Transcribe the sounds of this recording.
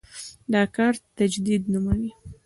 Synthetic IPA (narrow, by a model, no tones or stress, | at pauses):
ɖɑkɑɾt̪ad͡ʒd̪id̪numawi